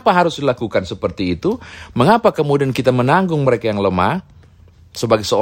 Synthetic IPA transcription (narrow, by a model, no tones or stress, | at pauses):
paɦaɾʊsdilakukansəpərt̪iːt̪uməŋapakəmudiankit̪amənaŋɡʊŋməɾekajaŋləmah | səbaɡajsəo